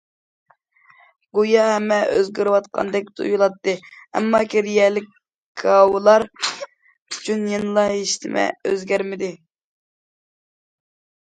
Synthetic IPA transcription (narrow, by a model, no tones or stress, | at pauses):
ɡojɑɦɛmːɛʔø̰zɡʲøɾwɑt̪̚qʰɑ̰nd̪ɛk̚ʲt̪ʰṵjulˠɑt̪ːɨɛ̰mːɑkʲiɾijɛlɪkʲ | ɡʰɑwlˠɑɾ | y̥t͡ʃʰynjenɨlˠɑeʃt̪ɪ̰mɛ̰øzɡʲæɾmɪd̪ɪ